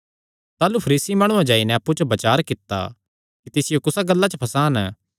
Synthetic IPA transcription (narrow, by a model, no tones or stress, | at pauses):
t̪aːlupʰɐɾiːsimaːɽ̃ũãd͡ʒaːinɛɐpːud͡ʒobɐt͡ʃaːɾkɪt̪ːa̰ | kit̪ɪsɪjokʊsaɡɐlːat͡ʃəpʰɐsaːnə